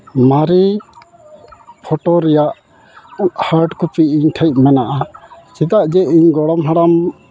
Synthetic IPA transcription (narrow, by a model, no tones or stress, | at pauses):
maɾi | pʰɔʈɔɾɛjaʔ | haɾɖkupiiɲʈʰəc̪̚mɛnaʔat͡ʃid̪aʔd͡ʒɛiɲɡɔɽɔmɦaɽam